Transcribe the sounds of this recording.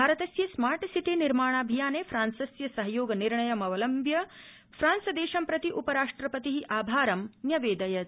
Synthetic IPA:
bbʱaːɾɐt̪ɐsjɐsmaːɾʈsiʈiniɾmaːɳ̃aːbʱijaːneːfʰɾaːnsɐsjɐsɐɦɐjoːɡɐniɾɳɐjɐmɐʋɐlɐmbʱjɐ | fʰɾaːnsɐd̪eːʃɐmpɾɐt̪iʔupɐɾaːʂʈɾɐpɐt̪iɦiʔaːbʱaːɾɐmnjɐʋeːd̪ɐjɐ

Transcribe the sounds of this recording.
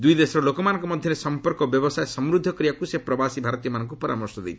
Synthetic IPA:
d̪ujd̪esɔɾɔlokɔmanɔ̃ŋkɔmɔd̪ʱjɔɾesɔmpɔɾkɔbjɔbɔsaesɔmɾud̪ʱːɔkɾijakusepɾɔbasibʱaɾɔt̪ijɔmanɔŋkupɔɾa̰mɔɾsɔd̪ḛt̪ʰi̥

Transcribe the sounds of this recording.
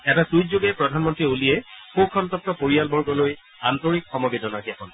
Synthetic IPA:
ɛtasujtzoɡɛpɹɔdʱanmɔntɹiolijɛxokʰɔntɔp̚tɔpoɹialbʱɔɹɡɔloj | antoɹikxɔmɔbedɔnaɦiakɔn

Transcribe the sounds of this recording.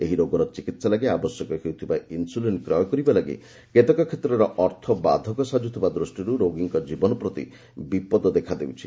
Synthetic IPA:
eɦiɾoɡɔɾɔt͡ʃikit̪salaɡiabɔsjɔkɔɦewt̪ʰibainsulenʈkɾɔjɔkɔɾibalaɡḭ | ket̪ɔkɔkʰet̪ɾɔɾɔʔɔɾt̪ʰɔba̰d̪ʱɔkɔsad͡ʒut̪ʰibad̪ɾusʈiɾuɾoɡiŋkɔd͡ʒibɔnɔpɾɔt̪ḭ | bipɔd̪ɔd̪ekʰad̪ewt͡ʃʰi

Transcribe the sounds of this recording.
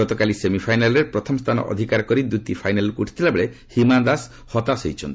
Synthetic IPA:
ɔt̪ɔkalisemipʰajnalɔɾeɾpɾɔt̪ʰɔmɔst̪ʰanɔ̰ʔɔ̰d̪ʱikaɾɔkɔɾid̪ut̪ipʰajnalkuuʈʰi̥t̪ʰilabeɭe | himad̪as | hɔt̪asejt͡ʃʰɔnt̪i

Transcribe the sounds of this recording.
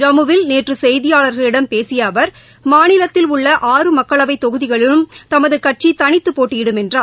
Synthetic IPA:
d͡ʒɐmɯʋɪlneːʈrɯsɛjðɪjaːɭɐɾɣɐɭɪɽɐmpeːsɪjaːʋɐɾ | maːnɪlɐt̪ːɪlʊɭːɐʔaːrɯmɐkːɐɭɐʋɐɪt̪ːɔɣɯðɪɣɐɭɪlɯmt̪ɐmɐðɯkɐʈ̚t͡ʃit̪ɐɳɪt̪ːɯpːoːʈːɪjɪɽɯmɛndraː

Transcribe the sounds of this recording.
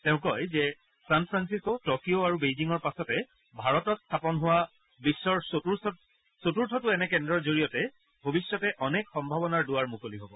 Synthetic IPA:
tɛʊ̃kɔjzɛ | sanpʰɹansiskotɔkioaɹubejziŋɔɹpasɔtɛ | bʱaɹɔtɔtstʰapɔnɦʊwa | bisːɔɹu | sotuɹtʰɔtʊɛnɛkɛndɹɔɹzoɹijɔtɛ | bʱobisjɔtɛʔɔnekxɔmbʱabɔnaɹdʊwaɹmukoliɦobɔ

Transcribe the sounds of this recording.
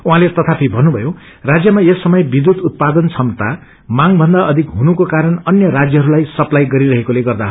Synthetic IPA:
uɦãlet̪ʌt̪ʰapʰibʱʌnːubʱʌjo | rad͡zjʌmaesːʌmʌjbid̪ut̪ut̪̚pad̪ʌnt͡sʰʌmt̪a | maŋbʱʌnd̪aʔʌd̪ʱikɦunukokaɾʌnʌnjʌɾad͡zjʌɦʌɾulajsʌplajɡʌɾiɾʌɦekoleɡʌrd̪a

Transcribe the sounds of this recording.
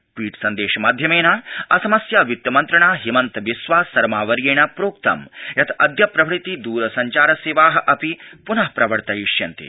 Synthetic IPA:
pʋiːʈsɐnd̪eːʃɐmaːd̪ʱjɐmeːnaːɐsɐmɐsjaːʋjut̪jɐmɐnt̪ɾɐɳaːɦimɐnt̪ɐʋisʋaːsɐɾmaːʋɐɾjeːɳɐpɾoːk̚t̪ɐ̰mjɐt̪ʰɐd̪ʱjɐpɾɐʋɾit̪id̪uːɾɐsɐɲt͡ʃaːɾɐseːʋaːɦɐ̆ʔɐpipunɐɦpɾɐʋɐɾt̪ɐjiʂjɐnt̪ḭ

